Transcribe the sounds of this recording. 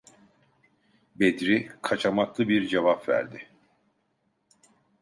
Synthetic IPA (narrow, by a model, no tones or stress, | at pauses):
bed̪ɾikʰat͡ʃʰamaklˠɯbiɾd͡ʒevapvæ̰ɾd̪ɪ